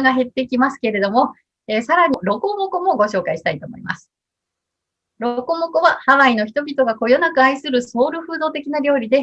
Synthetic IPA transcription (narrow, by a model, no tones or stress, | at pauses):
ɡaɦe̞t̪ːe̞kʲimasɨ̥ke̞ɾe̞d̪o̞mo̞ | eːsaɾaɲ̟iɾo̞ko̞moko̞mo̞ɡo̞ɕo̞ːkaiɕi̥t̪ait̪o̞ːmo̞̰ḭma̰sɨ̥ | ɾoko̞mo̞ko̞βahaβaino̞çi̥t̪o̞bʲit̪o̞ɡako̞jo̞nakɯ̟aisɨɾɯ̟so̞ːɾɯ̟ɸɯ̟ːd̪o̞ːt̪e̞kʲinaɾʲo̞ːɾʲid̪e̞